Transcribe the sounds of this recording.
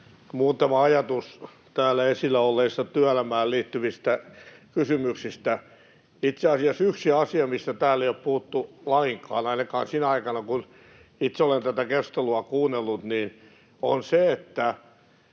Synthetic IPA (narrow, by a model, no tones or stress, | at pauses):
muːt̪ɑmɑɑjɑt̪us | t̪æːlːˑæesilːæolːeisːɑt̪yælæmæːlliːt̪ːyʋist̪ækysymyksist̪æ | it̪seɑsiɑsyksiɑsiɑmist̪æt̪æːlːˑeioppuhut̪ːulɑiŋkɑ̰ːnɑinɑkɑ̰ːnsinæɑikɑnɑkun | it̪seolent̪æt̪ækest̪eluɑkuːnːelːut̪niːn | o̰nseet̪ːæ